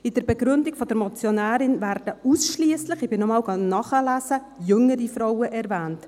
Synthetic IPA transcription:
ɪd̥əɾbɛɡɾʏndiɡfɔd̥̪əɾmɔt͡sjonæːɾɪnvæɾd̥əusʃliəslɪχɪb̥ɪnɔmɑːwɡɑnɑχəlæːsə | jɵŋəɾifɾɔwəʔɛɾvæːnt

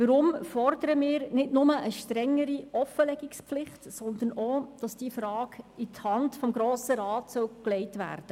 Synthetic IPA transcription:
ʋəɾʊmfɔrd̪əɾəmɪːɾnɪtnʊməʔəʃtɾɛŋːəɾiɔfəlɛɡikspflɪχtsɔnd̪ənoːd̥ɑsd̥iːəfɾɑːɡithɑntfɔmɡɾoːsəɾɑːtsœwklɛɪtʋæ̰ːrd̥ə

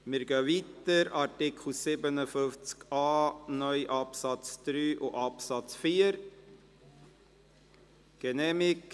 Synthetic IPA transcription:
mɪːɾɡœːʋit̪əɾɑɾtɪkʰl̩sɪbənəfʏft͡skɑːnœʏʔɑpsɑt͡sd̪̥ɾyːʔʊʔɑpsɑt͡sfiːəɾ | ɡ̥ɛnɛːmɪk

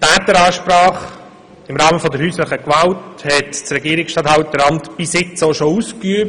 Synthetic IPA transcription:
tæːt̪əɾɑːʃpɾɑːχ | ɪmɾɑːməfɔd̪əɾhyːsləχəkʋɑlthɛtt͡sɾɛɡiəɾɪksʃtɑthɑwt̚dəɾɑntb̥ɪsɪt͡soʃouːskyəp

